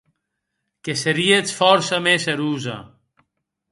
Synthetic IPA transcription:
keseɾiet͡sfɔɾsɐmesɐɾuːzɐ̰

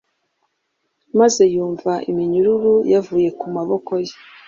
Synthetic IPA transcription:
maze̞juːɱvaʔimiɲuɾuɾujavuːje̞kumaβo̞ko̞je̥

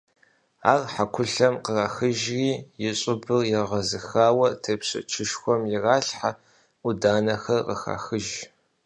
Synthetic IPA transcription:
a̰ːrħakʷʰʊɬɐmqəraxɨʒriːjɪɕʼɪbɨrjɪʁɐzɨxaːwɐtʰɐpɕɐ̰t͡ʃʰɪʃxʷɔmjɪraːɬħa | udaːnɐxɐrqəxa̰ːxɨʒ

